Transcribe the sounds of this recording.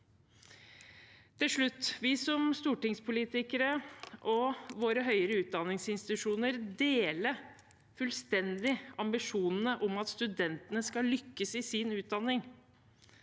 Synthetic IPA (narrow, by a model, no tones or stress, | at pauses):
t̪ʰɪlʂɭʉt̪ːʋɪsɔmst̪uːʈɪŋspʰʊliːt̪ɪkəɾəʔɔʋoːɾəɦœʏəɾəʉːt̪̚d̪ɑnɪŋsɪnst̪ɪt̪ʉʂuːnəɾd̪eːlə | fʉlst̪ɛnd̪ɪɑmbɪʂuːnn̩əʔɔmɑt̪st̪ʉd̪ɛnt̪ənəskɑlʏkːəsɪsɪnʉːt̪̚d̪ɑnːɪŋ